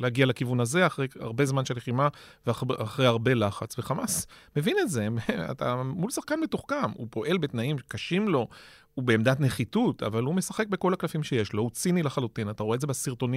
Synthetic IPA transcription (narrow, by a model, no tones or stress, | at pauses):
lehaɡialakivunaze̞aχʁeja̰ʁbe̞zmanʃeleχima | veaaχʁejhaʁbe̞laχat͡sveχamasme̞vinetze̞a̰ta̰mulsaχkanbetoχkamṵpo̞ʔe̞lbe̞t̪naimkaʃimlo̞ | ubeːmd̪atneχituta̰valume̞saχe̞k̚be̞ko̞laklafimʃe̞jeʃlo̞ut͡sinilaχalutinataʁoedzebasiʁto̞ni